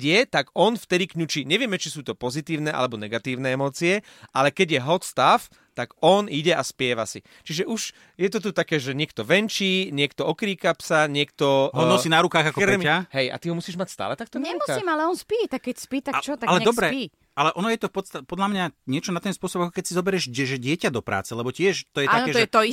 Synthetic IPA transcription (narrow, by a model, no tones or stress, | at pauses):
ɪɛt̪aɡɔnft̪ɛd̪ikɲut͡ʃiɲɛʋɪɛmɛt͡ʃisuːt̪ɔpɔzit̪iːʊnɛʔa̰lɛbɔnɛɡat̪iːʊnɛːɛmɔːt͡siɛ | ʔalɛkɛɟjɛɦɔt̪st̪af | t̪aɡɔniɟɛʔaspɪɛʋasi | t͡ʃiʒɛʔuʒ | jɛt̪ɔt̪ut̪akɛːʒɛɲɪɛkt̪ɔʋɛnt͡ʃiːɲɪɛkt̪ɔɔkɾiːkapsaɲɪɛkt̪ɔɦɔnɔsiːnaɾukaːɣakɔɾɛaɦɛja̰t̪iɦɔmusiːʒmacst̪a̰ːlɛt̪ak̚t̪ɔnɛɾmuuaimalɛɔnspiːjt̪akkːɛcspiːt̪at͡ʃɔt̪aɡalɛɛdɔbɾɛpi | ʔalɛʔɔnɔjɛt̪ɔfpɔt̪st̪aɛpɔd̪lamɲaɲɪɛt͡ʃɔnat̪ɛnspʊɔsɔbakɔkɛcsizɔbɛɾɛʒɛʒɛɟɪɛcad̪ɔpɾʔa̰ːt͡sɛlɛbɔcɪɛʃt̪ɔjɛtanɛːʒɛɛt̪ɔi